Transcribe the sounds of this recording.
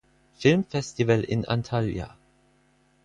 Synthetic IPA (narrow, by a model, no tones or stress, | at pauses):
fɪlmfɛstivəlʔɪ̰nʔa̰ntʰalja̰